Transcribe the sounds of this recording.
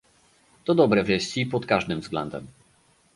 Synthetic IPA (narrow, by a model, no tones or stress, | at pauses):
t̪ɔd̪ɔbɾɛvʲɛɕʲipɔt̪kaʐd̪ɘmvzɡlɛ̰nd̪ɛ̰m